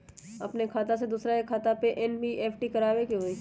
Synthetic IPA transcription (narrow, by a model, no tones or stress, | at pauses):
ɐ̰pnekʰaːt̪ased̪uːsɾaekʰaːt̪apeʔɛnbʱiʔeːfʰʈikɐɾaːʋekiɦoiː